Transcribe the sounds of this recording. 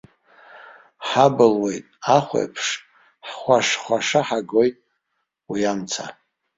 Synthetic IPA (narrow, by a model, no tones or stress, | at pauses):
ħabɨlwejtʼaχʷḛjpʰʂ | ħχʷaʂχʷaʂaħaɡojtʼ | wiamt͡sʰa